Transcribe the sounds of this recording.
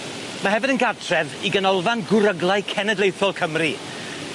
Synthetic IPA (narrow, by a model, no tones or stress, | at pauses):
maɦɛvɪdənɡatʰrɛviɡənɔlˠvanɡʊɾəɡlˠaɨkʰɛnədlˠejθjɔlˠkʰəmri